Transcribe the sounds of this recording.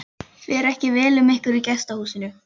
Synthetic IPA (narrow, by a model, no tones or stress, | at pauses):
fɛɾɛhcɪvɛːlʏmehkʏɾicɛst̪ahuːsɪnʏ